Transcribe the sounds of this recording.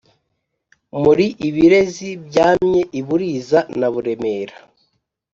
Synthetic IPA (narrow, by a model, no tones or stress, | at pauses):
muɾiʔiβiɾe̞zibɟaːmɲe̞ʔiβuɾiːzanaβuɾe̞me̞ːɾa